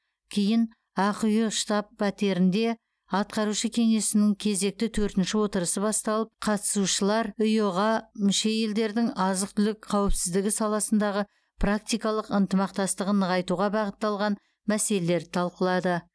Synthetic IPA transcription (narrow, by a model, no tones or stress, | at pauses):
kʲʰejɪn | ɑqʊjəʃt̪ɑpːɑt̪e̞ɾɪnd̪e̞ | ɑt̪̚qɑɾuʃəkʲʰe̞ŋe̞sɪnɪŋkʲʰe̞ze̞k̚t̪ɪt̪ʰɵɾt̪ɪnʃɪwo̞t̪əɾəsəbɑst̪ɑlˠəp̚qʰɑt̪ə̥suʃəlˠɑɾʊjoʁɑmʏʃe̞je̞ld̪e̞ɾd̪ɪŋɑzəqt̪ʰʏlɪkqʰɑwɪpsɪzd̪ɪɡʲɪsɑlˠɑsənd̪ɑʁə | pʰrak̚t̪ijkɑlˠəqənt̪əmɑq̚t̪ɑst̪əʁənəʁɑjt̪uʁɑbɑʁət̪ːɑlˠʁɑn | mæse̞lele̞ɾt̪ʰɑlˠqəlˠɑd̪ə